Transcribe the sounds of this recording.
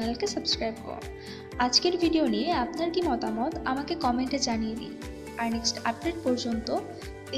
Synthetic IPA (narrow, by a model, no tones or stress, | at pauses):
nelkesəbskɾajbko̰ | ad͡ʑkeɾbʱiɖionieapnaɾkimɔt̪amot̪amakekɔmeɳʈed͡ʑanienḭ | aɾneksʈap̚ɖeɖ̚pɔɾd͡ʑont̪o | e